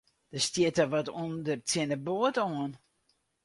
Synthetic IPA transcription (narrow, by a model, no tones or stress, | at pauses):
d̥əstjɪtəʋɔtundərtʰjɪnəboətoən